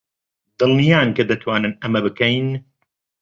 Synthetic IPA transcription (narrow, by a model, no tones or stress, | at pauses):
d̪ɨlnijaːnkɐd̪ɐt̪ʰwaːnɨnɐmɐbɨkɐjn